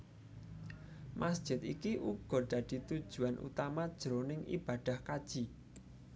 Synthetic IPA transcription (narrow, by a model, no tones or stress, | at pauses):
mʔasd̥ʒ̥ɪt̪̚ikiʔuɡ̥ɔ̤ɖ̪̥ä̤d̪̥i̤t̪ud̥ʒ̥ṳanʔṵt̪amad̥ʒ̥ɾonɪŋʔḭb̥ad̪̥a̤hkad̥ʒ̥i̤